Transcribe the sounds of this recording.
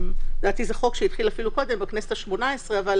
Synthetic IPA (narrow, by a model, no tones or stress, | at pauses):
md̪aːt̪izeχo̞kʃeit̪χilafiluko̞d̪e̞mbeknesetaʃmo̞naesʁeaval